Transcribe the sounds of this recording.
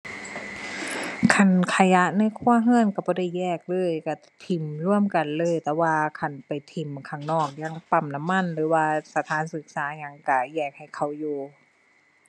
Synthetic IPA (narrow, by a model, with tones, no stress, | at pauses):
kʰa˧˩nkʰa˧ja˧˥ʔna˧˥˨jkʰuː˧˥˨əɦɯ˧˥ə˨nka˧˩bɔː˧˦da˧˩jːɛː˧˩k̚lɤː˧˥˨jka˧˩ | t̪ʰi˨˩mlu˧˥˨əmka˨nlɤː˧˥˨jt̪ɛː˧waː˧kʰa˧˩npa˨˩jt̪ʰi˨˩mkʰa˧˩ŋnɔː˧˩k̚ja˧˩ŋpa˧˩mna˧˥˨mːa˧˥˨nlɯː˨˦waː˧sa˧˦t̪ʰaː˨˦˥nsɯ˧˦k̚saː˨˦ɲa˧˩ŋka˧˩jɛː˧˩k̚ha˧˩jkʰa˧˩wjuː˧